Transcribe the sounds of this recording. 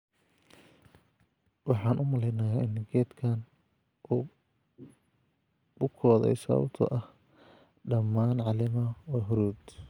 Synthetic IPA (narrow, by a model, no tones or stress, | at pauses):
wɑħɑːnʔʊmɐlɛjnɐjaːʔɪnːɪɡɛːd̪kʰaːn | ʔuː | bʊkʰɔːðɛ̰jsɐ̰βɐ̰b̚t̪ʰɔ̰ʔɐh | ɖɐmːaːnʕɑlɪmɐwɛɦʊɾuːd̪